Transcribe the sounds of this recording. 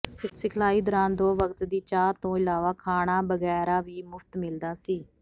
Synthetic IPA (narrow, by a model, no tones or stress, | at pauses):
sɪkʰlaːiːd̪əɾãːnd̪oːʋəkt̪d̪iːt͡ʃaːt̪õːɪlaːʋaːkʰaːɽ̃aːbəɡɛːɾaːʋiːmʊfʰt̪mɪld̪aːsiː